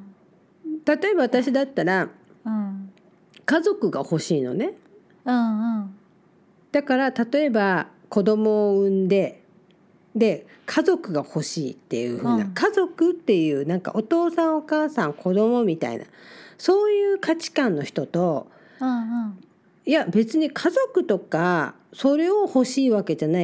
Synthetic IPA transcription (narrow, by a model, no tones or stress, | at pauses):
t̪at̪o̞e̞baβat̪aɕid̪at̪ːaɾa | kazo̞kɯ̟ɡa̰ho̞ɕiːno̞̰ne̞ | d̪̥akaɾat̪at̪o̞e̞bako̞d̪o̞mo̞ːɯ̟̃nd̪e̞ | d̪e̞ | kʰazo̞kɯ̟ɡaho̞ɕiːt̪ːe̞̰jɯ̟̰hɯ̟ːnakazo̞kɯ̟t̪ːe̞jɯ̟ːnãŋka̰ʔo̞t̪o̞ːsãɰ̃o̞kaːsãŋkʰo̞d̪o̞mo̞mʲit̪a̰ḭna̰so̞ːjɯːkat͡ɕi̥kãnːo̞çi̥t̪o̞t̪o̞ | ijabe̞t͡sɨɲ̟ikʰazo̞kɯ̟t̪o̞ka | so̞ɾe̞o̞ho̞ɕiːβake̞d͡ʑana